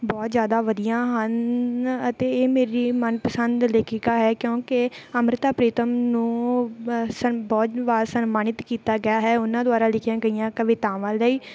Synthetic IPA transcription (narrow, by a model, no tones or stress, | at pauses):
bɔːt̪zjaːd̪aːʋəd̪ijãːɦənət̪eːeːmeːɾiːmənpəsənd̪leːkʰikaːɦɛːkjõːkeəmɾɪt̪aːpɾeːt̪əmnũː | sənbɔːt̪ʋaːsənmaːnɪt̪kiːt̪aːɡəjaːɦɛːʊnãːd̪ʊaːɾaːlɪkʰjãːɡəijãːkəʋɪːt̪ãːʋãːdəiː